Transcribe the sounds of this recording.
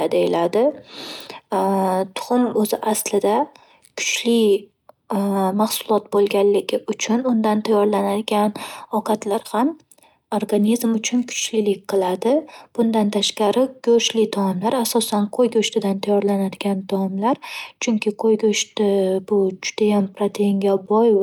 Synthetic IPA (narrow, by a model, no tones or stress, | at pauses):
d̪ejɪlad̪ɪ | t̪ʰʊ̥χʊnɵzɪʔaslɪd̪a | kʰʊ̥t͡ʃʰlɪ | maχsʊlˠɒt̪̚bolˠɡʲanlɪɡʲɪʔʊt͡ʃʰʊnʊnd̪ant̪ʰajɒɾlanad̪ɪɡʲanɒqʰɑt̪laɾham | oɾɡanizmʊt͡ʃʰʊnkʰʊ̥t͡ʃʰlɪlɪk̚ʲqɨlˠad̪ɪb̥ʊnd̪ant̪ʰaʃqɑɾɪɡ̥ɵʃlɪt̪ʰɒɪmlaɾasɒsanqʰojɡʲoʃt̪ɪd̪ant̪ʰajɒɾlanad̪ɪɡʲant̪ʰɒɪmlaɾt͡ʃʰʊŋkʲʰɪqʰojɡʲɵʃt̪ɪbʊd͡ʒʊd̪̥ajampɾat̪ʰeŋɡʲabɒj